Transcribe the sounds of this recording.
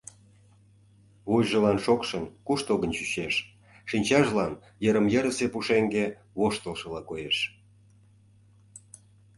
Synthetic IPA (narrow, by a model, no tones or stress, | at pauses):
βujʒəlɑnʃokʃənkuʃt̪oɣənt͡ɕyɕeʃ | ʃinʲt͡ɕɑʒlɑn | jəɾə̆mjə̆ɾəsepuʃeŋɡe | βoʃt̪əlˠʃə̆lɑkojeʃ